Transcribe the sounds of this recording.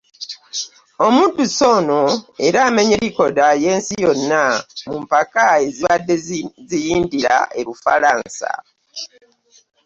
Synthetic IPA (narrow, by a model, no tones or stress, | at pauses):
omuːntuso̞noe̞ɾaːmeɲe̞ɾiko̞daje̞ːnsijo̞nːamumpakae̞ziβadːezijiːndiɾa̰e̞ɾufalaːnsa̰